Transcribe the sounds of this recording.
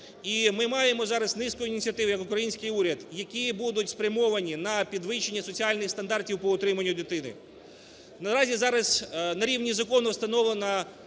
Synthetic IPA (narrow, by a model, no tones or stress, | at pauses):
imɪmɑjemɔzɑɾɐznɪskʊjʊinʲit͡sʲiɐt̪ɪwʊjɐkʊkɾɐjinʲsʲkɪjuɾʲɐd̪jɐkʲibud̪ʊtʲspɾʲɐmɔʋɐnʲinɐpʲid̪ʋɪʃenʲːɐsɔt͡sʲiɑlʲnɪxst̪ɐnd̪ɑrtʲiwpɔʊt̪ɾɪmɐnʲːʊd̪ɪt̪ɪnɪ̰ | nɐɾɑzʲizɑɾɐznɐɾʲiwnʲizɐkɔnɔwst̪ɐnɔʋlˠenɐ